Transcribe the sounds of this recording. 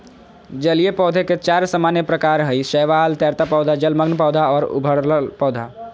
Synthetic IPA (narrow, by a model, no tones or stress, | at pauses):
d͡ʒəliepɔːd̪ʱeket͡ʃaːɾsəmaːnjəpɾəkaːɾɦəiʃəːʋaːlt̪jaːɾt̪apɔːd̪ʱad͡ʒəlməɡnpɔːʊd̪ʱaɔːɾʊ̰bʱəɽllpɔːd̪ʱaː